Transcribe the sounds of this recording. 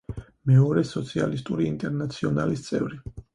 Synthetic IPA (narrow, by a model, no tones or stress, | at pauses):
mɛɔɾɛsɔt̪sʰia̰list̪ʼuɾiːnt̪ʼɛɾnat̪sʰiɔnalist̪sʼɛvɾi